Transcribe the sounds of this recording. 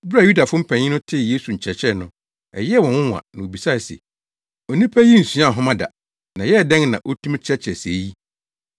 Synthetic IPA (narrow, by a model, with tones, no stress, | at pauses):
bɾa˨u˦da˨fʊ̃˦m̩˦pʰɛ̃˨ɲɪ̃˦nʊ̃˦tʰɪ˦˨jeː˦su˨ɲ̩˨t͡ɕʰɛ˨t͡ɕʰɾɛ˦˨nʊ̃˦ | ɛ̰˨jɛ˦wɔ̃˨wʊ̃˦wã̰˨nã˨o˨bi˨sa˦˨sɛ̰˨ | ɔ˨nĩ˦pʰæ˦ji˦n̩˨sũ˨˦ã˦˨ɦʊ̃˦mã˦da̰˨ | nã˨jɛ˦˨dɛ̃˦ŋnã̰˨ʔo˦tʰũ˦m˦t͡ɕʰɛ˦t͡ɕʰɛ˨se˨˦ji˦